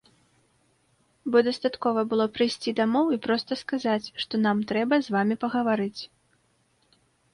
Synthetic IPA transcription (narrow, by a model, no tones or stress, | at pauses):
bɔd̪ɐst̪at̪kɔvɐbɨlˠɔpɾɨjsʲt͡sʲid̪amɔwipɾɔst̪ɐskazat͡sʲʂt̪ɔnamt̪ɾɛbɐzvamʲipɐɣɐvaɾɨt͡sʲ